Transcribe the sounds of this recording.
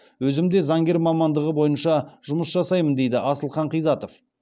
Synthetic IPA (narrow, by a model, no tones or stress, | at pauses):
wɵzɪmd̪e̞zɑŋɡʲe̞ɾmɑmɑnd̪əʁəbo̞jənʃɑʒʊməsʒɑsɑjmənd̪e̞jd̪ɪʔɑsəlˠχɑɴqijzɑt̪o̞f